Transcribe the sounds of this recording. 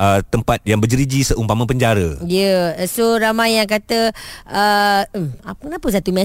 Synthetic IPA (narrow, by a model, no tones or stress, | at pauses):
ət̪əmpat̪̚jaŋbəd͡ʒəɾid͡ʒisəʔumpamə̃pəɲd͡ʒaɾəjəsoɾamajaŋk̬at̪əə | akənapəs̬at̪umɛ